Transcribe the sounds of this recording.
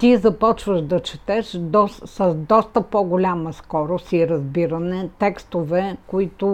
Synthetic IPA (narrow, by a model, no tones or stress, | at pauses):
t̪izɐpɔt͡ʃvəʃd̪ɐt͡ʃɛt̪ɛʃd̪ɔsəzd̪ɔst̪əpɔɡolʲaməskɔɾʊst̪iɾɐzbiɾɐnɛt̪ɛkst̪ovɛkoit̪ʊ